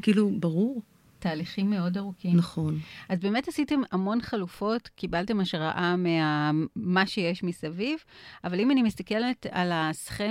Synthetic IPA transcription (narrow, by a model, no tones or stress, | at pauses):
kiːlubaʁuʁ | taːliχimːe̞o̞daʁukinaχo̞nʔazbe̞me̞thasite̞mamo̞nχalufo̞tkibalte̞maʃʁa̰ʔameamaʃejeʃmisavivʔavalimanimist̪akele̞ta̰lasχe